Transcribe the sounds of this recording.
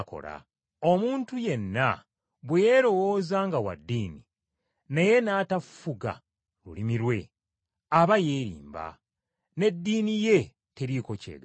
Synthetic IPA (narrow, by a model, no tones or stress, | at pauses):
ko̰ɾa̰ | o̞muːntuje̞nːa | βweje̞ɾo̞wo̞ːzaːŋɡawa̰dːiːni | neje̞nataffuɡa̰ | lulimiɾwe̞ | aβaje̞ːɾḭːmba̰ | ne̞dːiːnije̞ | teɾiko̞cḛːɡa